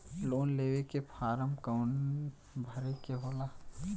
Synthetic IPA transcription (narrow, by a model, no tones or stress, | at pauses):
loːnleːʋekepʰaːɾəmkəʊn | bʱɐɾekeɦoːla